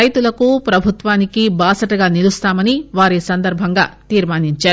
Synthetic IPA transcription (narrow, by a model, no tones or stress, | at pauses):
ɐjt̪ulɐkupɾɐbʱut̪ʋaːnikibaːsɐʈɐɡaːnilust̪aːmɐniʋaːɾisɐnd̪ɐɾbʱɐŋɡa̰ːt̪iːɾmaːniɲt͡ʃaːɾu